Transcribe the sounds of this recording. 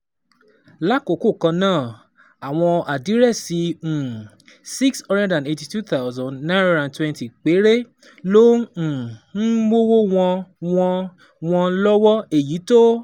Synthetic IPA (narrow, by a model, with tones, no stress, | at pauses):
la˦˨ko˨ko˦˨kã˧nãː˦˨ | a˨w̃ɔ̃˧a˨di˨˦ɾɛ˦˨sĩ˨˦˨ | si˦ksɔ̃˧ɾɛ̃˦dã˨ne˧ti˧tu˦t̪a˦ʊzã˨nã˦ɾɾã˨twɛ̃˧nti˨k͡pe˨˦ɾe˦ | lõ˦˨ | n̩˦wo˦wo˦w̃ɔ̃˧wɔ̃˧ | w̃ɔ̃˧lɔ˦wɔ˦e˦˨ji˨˦to˦